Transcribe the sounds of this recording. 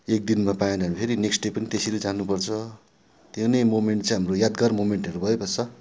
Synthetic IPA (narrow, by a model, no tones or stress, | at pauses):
ek̚d̪inmapajẽnʌɦʌɾipʰeɾineksʈɖepʌnit̪esiɾud͡zanːupʌrt͡sʰʌ | t̪jewnʌjmomeɳʈt͡sãj̃ɦamrojad̪̚ɡʌrmomeɳʈʌɾubʱʌjobʌt͡sʰʌ